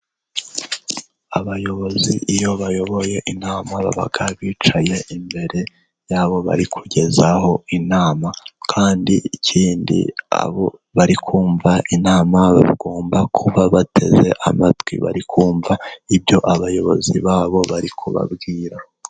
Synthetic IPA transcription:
aβajo̞βo̞ziijo̞βajo̞βo̞je̞ʔinaːmaβa̰βa̰ɡaβiːt͡ʃaje̞imbe̞ɾe̞ | jaːβo̞βa̰ɾikʰuɟe̞zaho̞inaːmakʰaːndiicʰiːndḭa̰βo̞βaɾikʰuːɱvaʔinaːmaβa̰βɡo̞ːmbakʰuβaβatʰe̞̰ze̞̰ʔamatwḭβa̰ɾikʰuːɱvaibjo̞ʔaβajo̞βo̞̰ziβaːβo̞βaɾikʰuβa̰bɡiːɾa

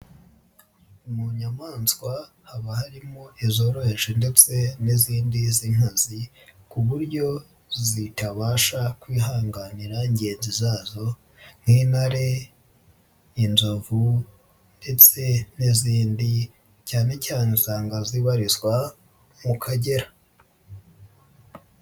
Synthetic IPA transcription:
umuɲamaːnswa | haβahaɾimoʔizo̞ːɾo̞heʒende̞t͡se̞niziːndiziŋ̥hazi | kuβuɾɟo̞ | zitaβaːʃakwiːɦaːŋɡaniɾaiɲɟe̞ːnzizaːzo̞ | n̥hinaɾe̞ | inzovu | nd̥e̞t͡se̞niziːndi | caːne̞caːnesaːŋɡaziβaɾiswa | mukʰaɟe̞ɾa

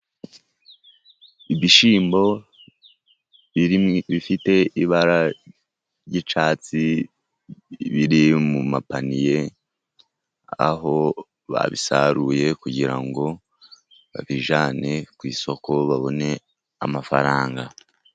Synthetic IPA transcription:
ibiʃiːmbo̞ | βiɾiβifite̞iβaɾa | ɾɟit͡ʃaːt͡si | βiɾimumapanije̞ | a̰ɦo̞ | βa̰βisaɾuːje̞kuɟiɾa̰ŋɡo̞ | βaβiʒaːne̞kwiːso̞ko̞βaβo̞ne̞ | a̰mafaɾaːŋɡa

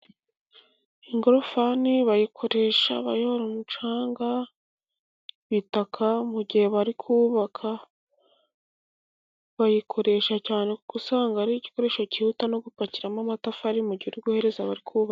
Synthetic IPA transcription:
iŋɡoɾofaniβajikʰo̞ɾe̞ʃa̰βajohoɾomut͡ʃaːŋɡa | βitakʰamuɟihe̞βaɾikʰuβakʰa | βajikʰo̞ɾe̞ʃacaːne̞kuɡ̥usaːŋɡaɾiɟi̥ko̞ɾeʃo̞cihutano̞ɡupaciɾamamatafaɾimuɾɟiɾuɾɡuhe̞ɾe̞zaβaɾikuβa

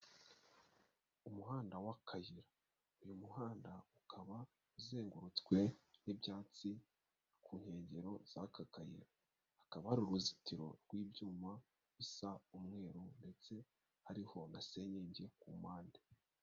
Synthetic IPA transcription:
umuɦaːndawakʰajiɾa | ujumuhaːndaukʰaβa | uzeːŋɡuɾut͡skwe̞nibjaːt͡si | kʰuːɲhe̞ːɲɟe̞ɾo̞z̥akakajḭɾaː | kaβahaɾuɾuzitiɾo̞̰ɾɡwiːbjuːma | βisaumŋe̞ːɾunde̞t͡se̞ | haɾiho̞nase̞ɲeɲɟe̞kumaːnde

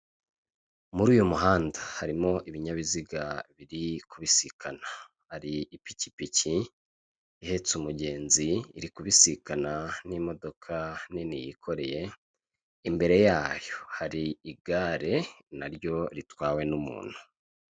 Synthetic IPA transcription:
muɾuːjumuɦaːndahaɾimo̞ʔiβiɲaβiziɡaβiɾikuβisikʰana | haɾiipi̥ci̥pici | ihe̞t͡sumuɟe̞ːnziːɾikuβisikananimo̞do̞kʰaninijikʰo̞ɾe̞je̞ | imbe̞ɾe̞jaːjo̞haɾiiɡaːɾe̞naɾjo̞ɾitwaːwe̞numṵːn̥hu

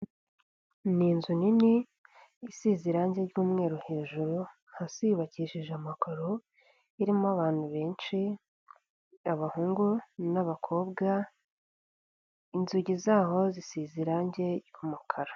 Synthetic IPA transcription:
niːnzuniniː | siziɾaːɲɟeɾɟuːmŋe̞ːɾuhe̞ːʒuɾu | hasijuβaciʃiʒamakaɾo | iɾimoaβaːnhuβe̞ːnʃi | aβahuːŋɡunaβakʰo̞ːbɡa | inzuɟizaːho̞zisiːziɾaːɲɟe̞ɾɟumukʰaɾḁ

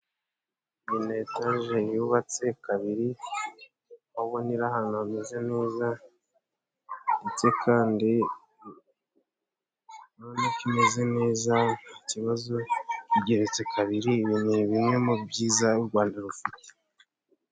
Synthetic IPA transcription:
minetaʒejuβat͡se̞kaβiɾi | oβoniɾahanonezeneːza | ndet͡se̞kʰaːndi | nonikinezene̞ːzaniciβazoiɟe̞ɾe̞t͡se̞kʰaβiɾiβinuβimwe̞mubɟiːzauɾɡwaːndaɾufute̥

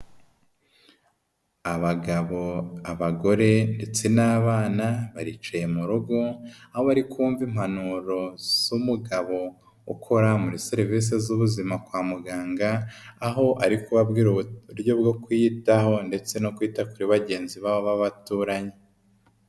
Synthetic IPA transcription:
aβaɡaβo̞aβaɡo̞ɾe̞nde̞t͡se̞naːβaːnaβaɾit͡ʃajemuɾuɡo̞aho̞βaɾikʰuːɱvim̥hanuɾo̞z̥umuɡaβo̞ | ukʰo̞ɾamuɾiseɾiviːs̬ezuβuzimakwaːmuɡaːŋɡaːɦo̞ʔaɾikuβabɡiɾɾɟo̞bɡo̞kwitaho̞nde̞t͡se̞no̞kwiːtakuɾiβaɟe̞ːnziβaβoβaβatuɾaɲe

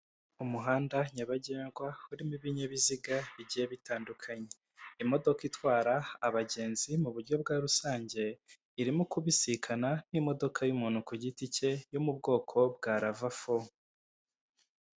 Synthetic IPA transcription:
umuɦaːndaɲaβaɟeːŋɡwauɾimiβiɲeβiziɡaβiɟijeβitaːndukʰaɲe̞ | imo̞do̞kitwaːɾaːβaɟe̞ːnzimuβuɾɟo̞b̚ɡaːɾusaːɲɟe̞ | iɾimukuβisikʰananimo̞do̞kʰajumuːnhukuɟitice̞jomubɡo̞ːkʰo̞b̚ɡaːɾavafo

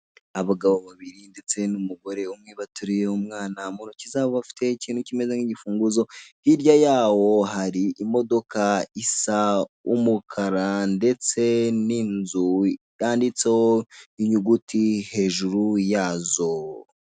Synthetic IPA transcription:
aβaɡaβo̞βaβiɾinde̞t͡se̞numuɡo̞ɾe̞umŋiβatuɾijeumŋaːnamunucizaβoβafi̥tʰe̞ciːnhucime̞zeŋiɟifuːŋɡuzo̞hiɾɟajaːwo̞ɦaɾiʔimo̞do̞kaisaumukʰaɾande̞t͡se̞niːnzu | jaːndit͡se̞hoiɲuɡutihe̞ːʒuɾujaːzo̞

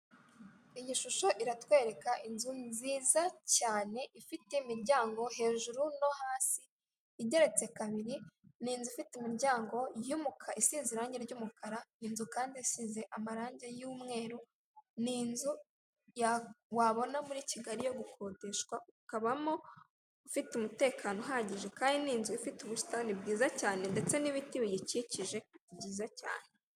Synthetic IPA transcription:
iɲiʃuʃo̞ʔiɾatwe̞ːɾe̞kaʔinzunziːzacaːne̞ʔifiteimiɾɟaːŋɡo̞ɦe̞ːʒuɾuno̞haːsiː | ɟe̞ɾe̞t͡se̞kaβiɾiniːnzuifiteimiɾɟaːŋɡo̞jumukʰaisiːziɾaːɲɟeɾɟuːmukʰaɾaniːnzukaːndiasiːze̞ʔamaɾaːɲɟejuːmŋe̞ːɾu | niːnzu | jawaβo̞namuɾiːciɡaɾijo̞ɡukʰo̞ːde̞ʃwaukaβamoː | fitumute̞ːkʰaːno̞ɦaɟiʒe̞kaːndiniːnzuifituβustanibɡiːzacaːne̞nde̞t͡se̞niβitiβijiciciʒe̞bɟiːzaca̰ːne̞

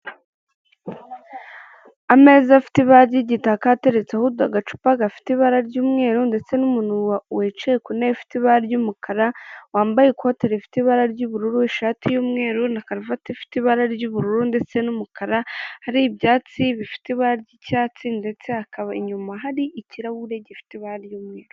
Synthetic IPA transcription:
ame̞ːzafi̥tiβaɾɟiɟitakate̞ɾet͡sahudaɡat͡ʃu̥paɡafi̥tiβaɾaɾɟuːmŋe̞ːɾunde̞t͡se̞numunuwawet͡ʃejkuneifi̥tiβaɾaɾɟumukʰaɾawaːmbajekuhote̞ɾefi̥tiβaɾaɾɟuβuɾuɾuiʃaːtijuːmŋe̞ːɾunakaɾifatefi̥tiβaɾaɾɟuβuɾuɾunde̞t͡se̞numukʰaɾahaɾiːbjaːt͡siβifi̥tiβaɾaɾɟicaːt͡sinde̞t͡se̞akaβaiɲumaɦaɾiʔːciɾahuɾe̞ɟifi̥tiβaɾjuːmŋe̞ːɾu

